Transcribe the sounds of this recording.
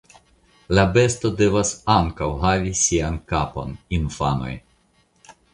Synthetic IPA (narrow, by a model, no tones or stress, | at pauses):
labe̞sto̞de̞vasaŋkawɦavisiankapo̞̰ninfa̰no̞̰j